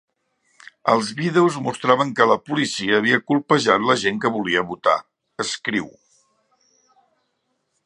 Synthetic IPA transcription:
ə̰lˠzβiðewzmust̪ɾaβəŋkələpulisiəːβiəkulˠpəʒat̪ləʒeŋkəβuliəβut̪a̰ | əskɾiw

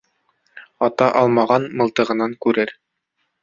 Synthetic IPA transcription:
ɑt̪ɑʔɑlˠmɑʁɑnmɤ̆lˠt̪ɤ̆ʁɤ̆nɑŋkʉɾɘɾ

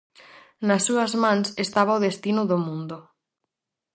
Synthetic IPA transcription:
nasːuazmãnsest̪aβ̞aoðest̪inuðomũnd̪o

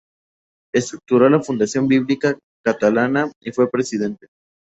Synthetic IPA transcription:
est̪ɾuk̚t̪uɾo̞lafund̪asjo̞mbiβlika | kat̪alanaifwe̞pɾe̞siðe̞nt̪e

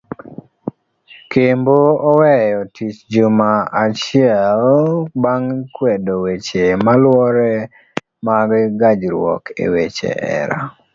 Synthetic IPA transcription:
kemboɔwɛjɔtʰit͡ʃd͡ʒumaat͡ʃɪɛlbaŋkwedowet͡ʃemalwɔɾɛ | maɡɡad͡ʒɾwɔ̰kḛwet͡ʃḛʔɛ̰ɾa̰

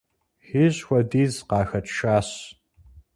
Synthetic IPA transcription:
xiːʑxʷɔdiːzqɑːxɐtʰʃaːɕ

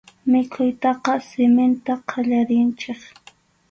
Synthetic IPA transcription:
mɪkʰʊjt̪ɑqɑsɪmɪnt̪aqʰɑʎaɾɪnt͡ʃɪχ

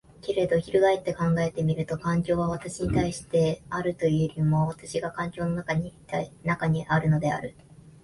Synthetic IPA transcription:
ke̞ɾe̞d̪o̞çiɾɯ̟ɡaet̪ːe̞kãŋɡae̞t̪e̞mʲiɾɯ̟t̪o̞kãŋkʲo̞ːβaβat̪aɕiɲ̟it̪aiɕi̥t̪e̞aɾɯ̟t̪o̞jɯɾʲimo̞βat̪aɕiɡakãŋkʲo̞ːno̞nakaɲianakaɲ̟iʔaɾɯ̟no̞d̪e̞a̰ɾɯ̟

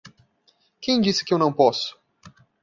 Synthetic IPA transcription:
kẽj̃d͡ʒisɪ̥kɪewnɐ̃w̃pɔsʊ̥

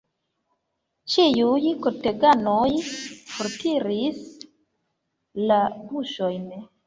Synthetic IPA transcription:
t͡ʃijujkote̞ɡanojfoɾtʰiɾis | labuʃo̞jn

